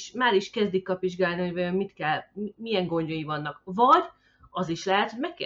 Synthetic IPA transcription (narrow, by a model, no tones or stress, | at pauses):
ʃmaːɾiʃkɛzd̪ikːɒpʋiʒɡaːlniɦo̞ɟvɒjo̞mmit̪kɛlmimijɛŋɡo̞ɲɟojivɒnːɒkvɒɟ | ɒziʃlɛɦɛt̪hojmɛkː